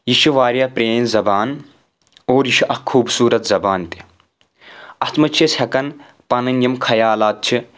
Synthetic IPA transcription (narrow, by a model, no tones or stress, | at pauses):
jiʃuʋaːɾjɐpɾeːnzɐbaːn | oːɾjiʃiʔɐhkʰuːbsuːɾɐt̪zɐbaːnt̪i̥ | ɐst̪mɐt͡ʃʰishɐkɐn | pɐnɐnjɐmkʰɐjaːlaːt̪̚t͡ʃʰi